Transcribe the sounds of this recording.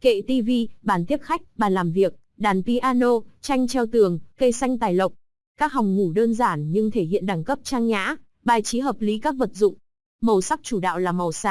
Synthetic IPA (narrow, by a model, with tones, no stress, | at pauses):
kḛ˧˨t̪i˧vi˧ɓaː˧˩nt̪i˦˥əp̚xa˦˥jk̟̚ɓaː˨˩nlaː˨˩mvi˨˩ək̚ | ɗaː˨˩npi˧ʔaː˧no˧t͡ɕa˧jŋ̟t͡ɕɛ˧wt̪ɨ˨˩əŋkə˧jsa˧jŋt̪aː˨˩jlə˨˩wk͡p̚ | kaː˦˥k̚ɦa˨˩wŋ͡mŋu˧˩ɗəː˧nzaː˧˩nɲɨ˧ŋt̪ʰe˧˩hḭ˧˨ənɗa˨˧˩ŋkə˦˥p̚t͡ɕaː˧ŋɲa̰ː˧˥ | ɓaː˨˩jt͡ɕi˨˦ɦəː˨˩p̚li˨˦kaː˦˥k̚və˨˩t̚zʊ̰˧˨ŋ͡m | mə˨˩wsa˦˥k̚t͡ɕu˧˩ɗa̰ː˧˨wlaː˨˩mə˨˩wsaː˧˩